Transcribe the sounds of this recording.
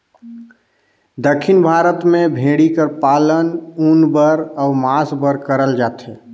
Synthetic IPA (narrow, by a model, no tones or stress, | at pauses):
d̪əkʰːɪnbʱaːɾət̪mẽbʱeːɽikəɾpaːlənuːnbəɾɔʊmaːsbəɾkəɾəld͡ʒaːt̪ɦɛː